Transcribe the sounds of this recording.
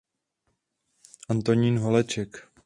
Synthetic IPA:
ʔant̪o̞ɲinɦolɛt͡ʃɛk

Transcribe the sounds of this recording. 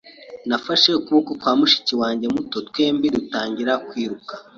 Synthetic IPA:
nafaʃekuβukotwaːmuʃi̥ciwaːɲɟe̞muto̞tkweːmbiɾutaːɲɟiɾakwiːɾuka

